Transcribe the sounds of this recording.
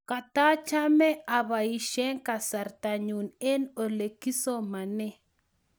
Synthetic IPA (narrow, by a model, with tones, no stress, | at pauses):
ka˨ta˦t͡ʃa˦mɛ˦ʔa˨βa˨i˨ʃɛ˦ŋka˨sa˨ɾta˨ɲu˨ne˦no˨le˨ki˦so˦ma˨nɛ˦